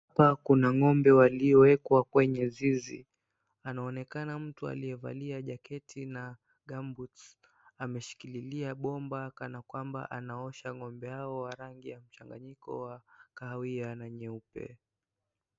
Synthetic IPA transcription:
hapakunaŋɔmbɛwaliɔwɛkwakwɛɲɛzizḭ | anaɔnɛkanam̩tua̰lijɛva̰liaʄakɛtʰina | ɡambutsamɛʃi̥kililiaɓɔmbakanakwamba̰ʔanaɔʃaŋɔmbɛaɔwaɾaŋɡijam̩t͡ʃaŋɡaɲikɔ̰wakawianaɲɛupɛ̰

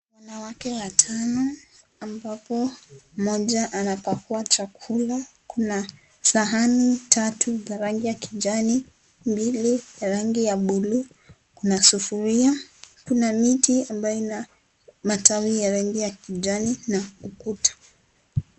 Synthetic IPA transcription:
wanawakɛwatʰanɔ | ambapɔmɔʄaʔanapakuat͡ʃakʰula | kuna | saɦanitʰatʰuzaɾaŋɡijakiʄani | mbilijaɾaŋɡijaɓulu | kunasufuɾiakunamitiambajɔna | matawijaɾaŋɡijakiʄaninaukutḁ

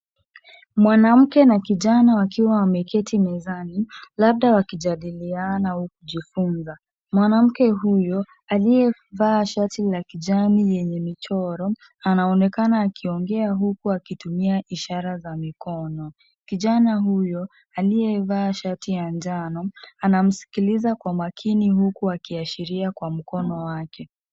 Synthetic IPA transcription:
mwanam̩kɛnakiʄanawakiwawamɛkɛtʰimɛzanilaɓ̚ɗawakiʄaɗilianauk̚uʄifunza | mwanam̩kɛɦujɔ | alijɛvaːʃatilakiʄanijɛɲɛmit͡ʃɔɾɔ | anaɔnɛkanaːkʰiɔŋɡɛaɦukuakitumiaʔiʃaɾazamikɔnɔ | kiʄanahujɔ | alijɛvaːʃatijand͡ʒanɔanam̩si̥kilizakwamakʰinihukuakiaʃiɾiakwam̩kɔnɔwakʰɛ

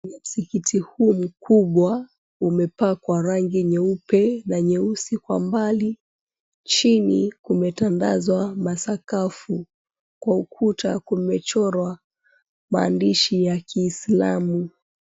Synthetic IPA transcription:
nam̩sikitʰihuːm̩kuɓwa | umɛpakwaɾaŋɡiɲɛupɛnaɲɛusikwa̰mbali | t͡ʃinikumɛtanda̰zwamasakafu | kwaukʰuta̰kumɛt͡ʃɔɾwa | maːndiʃijakʰiːsla̰mu

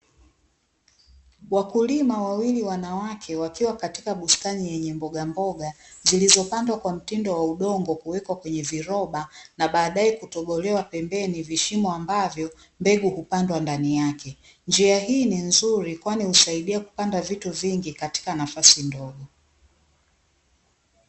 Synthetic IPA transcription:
wakulimawawiliwanawakʰɛwakiwakati̥kaɓustanijɛɲɛmbɔɠambɔɠazilizɔpandwakwam̩tindɔwauɗɔŋɡɔkuwɛkwakwɛɲɛviɾɔɓanaɓaːɗaɛkutɔɓɔlɛwapɛmbɛniviʃimɔambavjɔ | mbɛɠuhupandwandanijakʰɛ | nd͡ʒiaɦiːninzuɾikwanihusaiɗiaku̥pandavituviŋɡikati̥kanafasindɔɠɔ

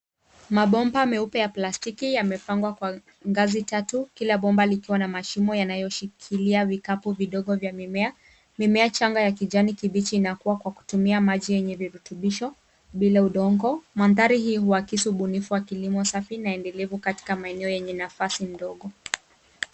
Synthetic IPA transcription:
maɓɔmbaːmɛupɛjaplastikijamɛpaŋɡwakwa | ŋɡazitatukilaɓɔmbalikiwanamaʃimɔjanajɔʃikʰiliavikapuviɗɔɠɔvjamimɛa | mimɛat͡ʃaŋɡajak̬id͡ʒanikiɓit͡ʃiːnakuwakwaku̥tumiamaʄijɛɲɛviɾutuɓiʃɔ | ɓilauɗɔŋɡɔmanðaɾiɦiːhuakisiuɓunifuwakilimɔsafinaɛndɛlɛvukati̥kamaɛnɛɔjɛɲɛnafasin̩dɔɠɔ

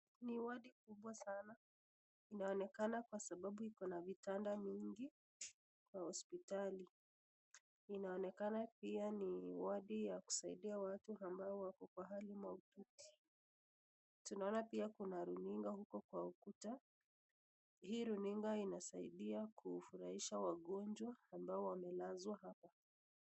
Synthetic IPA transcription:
niwaɗikuɓwasana | inaɔnɛkanakwasaɓaɓuhikɔnavitandaviŋɡi | kwahɔspitali | inaɔnɛkanapianiwaɗijaku̥saiɗiawatuambaɔwakɔkwaɦalimwaututi̥ | tunaɔnapiakunaɾuniŋɡahukɔkwaukuta | hiːɾuniŋɡainasaiɗiakʰufuɾahiʃawaɠɔnd͡ʒwaːmbaɔwamɛlazwaɦapa

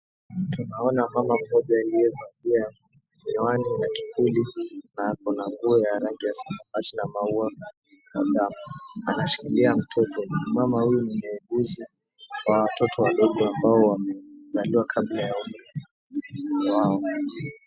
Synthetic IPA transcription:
tunaɔnamamam̩ːɔʄaːlijɛkambia | ɲwaninaki̥kʰulinakɔnaŋɡuɔjaɾaŋɡijasamafatinamaua | kaðamuanaʃi̥kiliam̩tʰɔtɔmamahujunimuuɡuzi | wawatɔtʰɔwaɗɔɠɔambaɔwamɛzaliwakʰaɓlajaum | waɔ

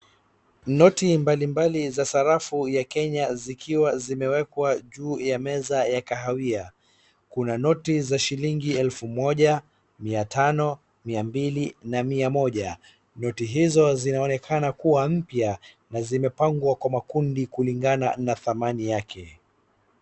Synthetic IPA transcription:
nɔtimbalimbalizasaɾafujakɛɲazikʰiwazimɛwɛkwaʄuːjamɛzajakaɦawia | kunanɔtizaʃiliŋɡiɛlfumɔʄa | miatʰanɔ | miambilinamiamɔʄa | nɔtiɦizɔzinaɔnɛkʰanakuwam̩pja | nazimɛpaŋɡwakwamakundikuliŋɡana̰naθamanijakʰɛ

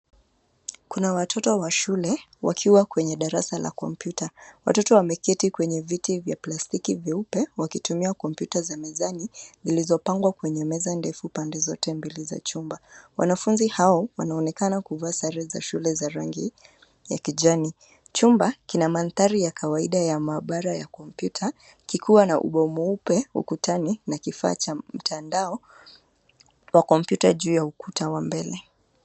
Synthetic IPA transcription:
kunawatʰɔtɔwaʃulɛ | wa̰kʰiwakwɛɲɛɗaɾasala̰kɔmpjutawa̰tɔtɔwamɛkɛtikwɛɲɛvitivjaplastikiviupɛwakitumiakɔmpjutazamazanizilizɔpaŋɡwakwɛɲɛmɛzandɛfupandɛzɔtɛmbiliza̰t͡ʃumbawa̰nafunzihaɔwanaɔnɛkanakuvasaɾɛza̰ʃulɛzaɾaŋɡi | jakiʄani | t͡ʃumbakinamanθaɾijakʰawaiɗajamaːɓaɾajakɔm̩pjutʰa | kikʰuwanaʔṵɓɔmuupɛṵkutʰaninakifa̰ːt͡ʃam̩tʰandaɔ | wakɔmpjutaʄuːjaukutawambɛlɛ

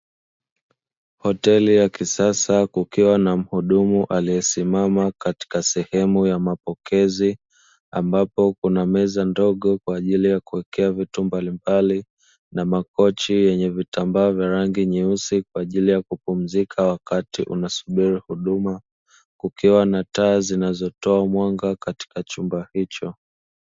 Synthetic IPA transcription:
hɔtɛlijakisasakukiwanam̩huɗumuʔalijɛsimamakati̥kasɛhɛmujamapɔkɛzi | ambapɔkunamɛzandɔɠɔkwaːʄilijakuwɛkɛavitumbalimbali | namakɔt͡ʃijɛɲɛvitambaɔvjaɾaŋɡiɲiusikwaːʄilijakupum̩zikʰawakatiʔṵnasuɓiɾihuɗuma | kukiwanataːzinazɔtɔamwaŋɡakati̥kat͡ʃumbahit͡ʃɔ

